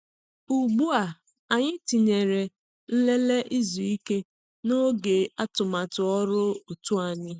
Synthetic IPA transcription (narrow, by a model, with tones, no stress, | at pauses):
u˨ɡ͡bu˦a˨ | a˨ɲɪ˦ti˨ɲe˨ɾe˨ | n̩˦le˦le˦ʔi˦zu˨i˦ke˦ | no˦ɡe˨a˦tʊ˨ma˨tʊ˨ɔ˦ɾʊ˦o˨tu˦a˨ɲɪ˦